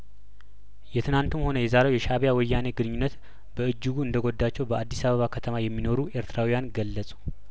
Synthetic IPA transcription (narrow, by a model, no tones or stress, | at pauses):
jɛt̪ʰɨnant̪ʰumho̞nəjɛzaɾewjɛʃaβjawɔjːane̞ɡɨnɨɲːunːət̪ | b̥əɨd͡ʒːɨɡuɨnd̪əɡo̞d̪ːat͡ʃːɛwbəʔad̪ːisaβəβakʰət̪ʰəmajɛmːino̞ɾue̞ɾt̪ʰɾawijanɡəlːəsʼu̥